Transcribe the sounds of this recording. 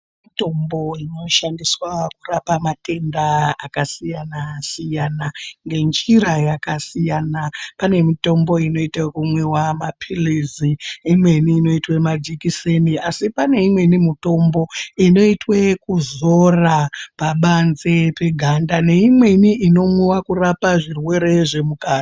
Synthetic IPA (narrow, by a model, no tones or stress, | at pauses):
mito̞mbo̞ino̞ʃandiswakurapamate̞ndaakasijanasijanaŋɡe̞nd͡ʒiɾajakasijanapane̞mito̞mbo̞ino̞itekumwe̞wamapʰiliziːmwe̞niːno̞itwe̞mad͡ʒikiseniasipane̞imwe̞nimito̞mbo̞ino̞itwe̞kuzo̞rapaɓanze̞pe̞ɡʱandane̞imwe̞niʔino̞mwewakurapaʐirwe̞ɾe̞ʐe̞mukaːna